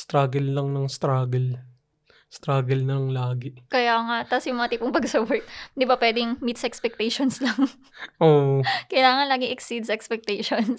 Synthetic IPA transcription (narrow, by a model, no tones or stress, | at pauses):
st̪ɾaːɡɐlːɐŋnɐŋst̪ɾaːɡɛl | st̪ɾaːɡɐlnɐlɐŋlaːɡɪkɐjaːŋat̪asjʊŋmɐŋat̪iːpoŋpɐɡsɐwɛɹt̪̚nd̪ɪbapwɛːd̪ɪŋmit̪sɐʔɛkspɛk̚t̪ɛjʃonslɐŋ | ʔoːʔkɐjlaːŋɐnlaːɡɪŋʔɛksid̪̚sɐʔɛkspɛk̚t̪ɛjʃons